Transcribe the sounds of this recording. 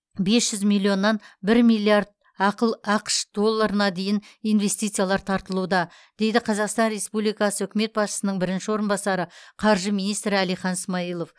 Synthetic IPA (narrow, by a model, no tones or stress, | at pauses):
be̞sʒ̥ʏzmilʲːio̞nːɑnbɪɾmilʲːiaɾd̪̚ | ɑqəlˠɑqə̥ʃd̪o̞lˠːɑɾənɑd̪e̞jɪnijnve̞st̪it̪sɨjalˠɑɾt̪ʰɑɾt̪əlˠuwd̪ɑ | d̪̥e̞jd̪ɪqʰɑzɑqst̪ɑnɾe̞spublijkɑsəʏkʲɪme̞t̪̚bɑsʃə̥sənəɴbɪɾɪnʃɪwo̞ɾənbɑsɑɾəqʰɑɾʒəminist̪ɾɪælijχɑnɪsmɑijlˠo̞f